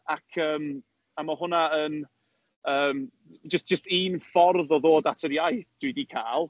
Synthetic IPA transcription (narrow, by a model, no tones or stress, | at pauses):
akʰəːm | amɔhʊnaən | əːm | d͡ʒəsd̥ʒ̥əstiːnfɔrðɔðoːdatʰəɾjajθd̥widikʰaːlˠ